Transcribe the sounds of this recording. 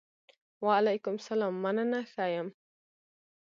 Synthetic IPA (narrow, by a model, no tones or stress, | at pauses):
waʕalajkʊmsalaːmːananaθajam